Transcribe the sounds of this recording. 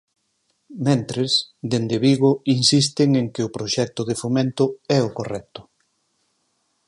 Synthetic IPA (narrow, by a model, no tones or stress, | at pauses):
mẽnt̪ɾesd̪end̪eβiɣ̞ʊinsis̬t̪ɪŋeŋkɪʊpɾoʃɛk̚t̪ʊð̞ɪfomẽnt̪ʊɛʊkorɛk̚t̪ʊ̥